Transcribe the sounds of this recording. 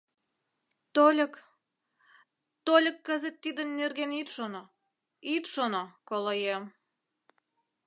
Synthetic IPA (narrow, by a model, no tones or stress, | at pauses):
t̪olʲə̆k | t̪olʲə̆kːəzə̆t̪ːid̪ə̆nːerɣenit̪ʃono | it̪ʃonokolojem